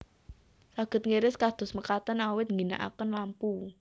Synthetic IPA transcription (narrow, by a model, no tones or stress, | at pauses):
saɡ̥ə̤t̪̚ŋeɾɪskad̪̥ʊ̤sməkat̪ənawɪt̪̚ŋɡina̰ʔa̰kənlampu